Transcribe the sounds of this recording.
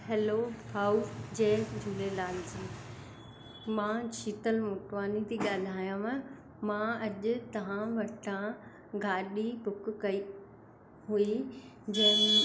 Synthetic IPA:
hɛːloːbʱaːud͡ʑeːd͡ʑʱʊlelaːld͡ʑĩː | mãːt͡ɕʰiːt̪əlmʊʈʋaːnit̪ʰiɠaːl̤aːjãmə̃ | mãɐʄʊ̆t̪ɐʋ̤ãʋɐɾt̪ʰã | ɡaːɗibʊkʊ̆kɐi | ɦui | d͡ʑeː

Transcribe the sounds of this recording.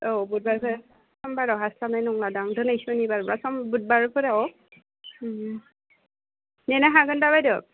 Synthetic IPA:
obut̚baɹpʰ | sɔmbaɾaɦaslanajnɔŋladaŋdɯnajsɔnibaɾblasɔmbut̚baɹpʰɔɾaɔ | nɛnaɦaɡɯndaβajdɔ

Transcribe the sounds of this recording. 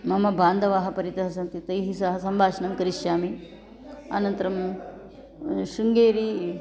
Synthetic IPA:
mɐmɐbʱaːnd̪ɐʋaːɦɐ̆pɐɾit̪ɐɦɐsɐnt̪it̪ɐjɦisɐɦɐsɐmbʱaːʃɐnɐmkɐɾiʃjaːmi | a̰nɐnt̪ɐɾɐm | ʃuŋɡeːɾi

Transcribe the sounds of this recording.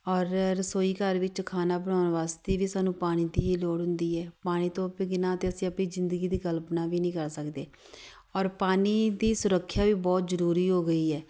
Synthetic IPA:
ɔːɾɾsoːiːkəɾʋɪt͡ʃkʰaːnaːbəɳ̃aːʊnʋaːst̪eːʋiːsaːnũːpaːɽ̃iːt̪iːɦiːloːɽɦʊ̃nd̪iːɛːpaːɽ̃iːt̪õːpiɡɪnãːət̪eːəsĩːəpniːzɪnd̪əɡiːd̪iːkəlpnaːʋiːnĩːkəɾsəkd̪eː | ɔːɾpaːniːd̪iːsʊɾəkʰːjaːʋiːbɔːt̪zəɾuːɾiːɦoːɡəiːɛː

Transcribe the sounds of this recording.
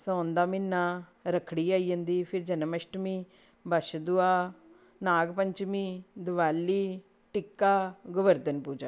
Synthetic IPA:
sə̃nd̪aːminːaːɾəkʰːɽiːaːiːjə̃nd̪iːpʰɪɾd͡ʒənməʃʈmĩː | bəʃd̪ʊaː | naːɡpəɲt͡ʃmĩːd̪ʊʋaːlːiː | ʈɪkːaːɡʊʋəɾd̪ənpuːd͡ʒaː

